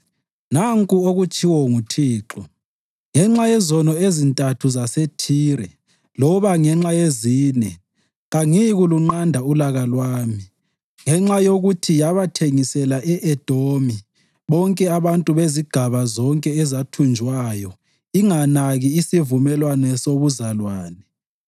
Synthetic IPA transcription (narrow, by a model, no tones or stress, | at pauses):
naŋkʼuoɣut͡ʃʼiwɔŋutʰiːǁɔ | ŋɛŋ͡ǁajɛzɔnɔezintʼatʰuzasetʰiːɾɛ̰ | lɔβaŋɛŋ͡ǁajeziːnɛ | ɣaŋiɣuluŋ͡ǃandʱaulaɣalwaːmi | ŋɛŋ͡ǁajoɣutʰijaβatʰeŋisɛlaʔɛʔɛd̥ʱomi | βɔŋkʼɛaβantʼuβeziɡ̥ʱaβazɔŋkʼɛɛzatʰund͡ʒʱwajɔ | iŋanaɣiːsivumɛlwanɛsoβuzalwaːnɛ